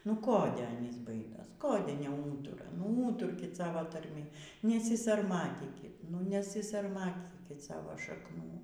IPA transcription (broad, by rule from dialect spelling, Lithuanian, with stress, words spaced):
nʊ ˈkoːdʲɛ ˈɑːnʲiːs ˈbɐɪdoːs ˈkoːdʲɛ nʲɛˈuːtʊrɐ nʊ ˈuːtʊrʲkʲɪt ˈsɑːʋoː tɐrʲˈmʲɪ nʲɛsʲɪsɐrˈmɑːtʲiːkʲɪt nʊ nʲɛsʲɪsɐrˈmɑːtʲiːkʲɪt ˈsɑːʋoː ʃɐkˈnuː